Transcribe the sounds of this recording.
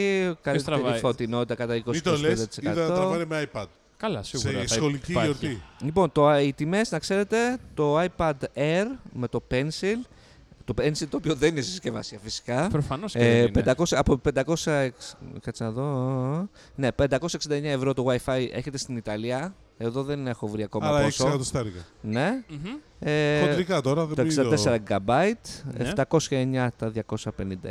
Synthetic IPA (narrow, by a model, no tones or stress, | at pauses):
kɐlit̪ɾfot̪ino̞t̪it̪ɐkɐt̪ɐikosi̥t̪oleesnd̪ɐt̪i̥seikɐðɐoɾvɐnemeajpɐd̪̥̚ | kɐlɐsiɣɾɐsxoliioɾt̪ilipo̞nt̪o̞it̪ime̞znɐkse̞ɾe̞t̪e̞t̪o̞ɐjpɐd̪eɾme̞t̪o̞pensil | t̪o̞pensilt̪oːpioðeninesiscevɐ̰siɐfisi̥kɐpɾofɐnosped̪ɐko̞sɐpoped̪ɐko̞sɐekkɐt͡snɐðo̞ | ne̞pe̞nd̪ɐko̞sɐeksind̪ɐeɲɐe̞vɾo̞t̪oɣwɐjfɐjʔe̞̰çe̞t̪e̞st̪init̪ɐliɐ | e̞ðo̞ðe̞ne̞xo̞vɾiɐko̞mɐlɐosoɐt̪ost̪ɐɾɣɐne̞ | eikɐt̪oɾɐðet̪osid̪eseɾɐɡɐbɐit̪eft̪ɐko̞sçɐeɲɐt̪ɐðʝɐko̞sɐpe̞nind̪ɐ